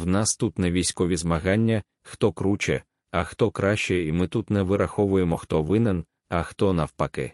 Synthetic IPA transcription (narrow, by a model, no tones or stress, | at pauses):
wnɑst̪ut̪nɛʋʲijsʲkɔʋʲizmɐɦɑnʲːɐ | xt̪ɔkɾut͡ʃɛ̰ | ɐxt̪ɔkɾɑʃt͡ʃɛimɪt̪ut̪nɛʋɪɾɐxɔʋʊjemɔxt̪ɔʋɪnɛn | ɐxt̪ɔnɐwpɐkɪ̰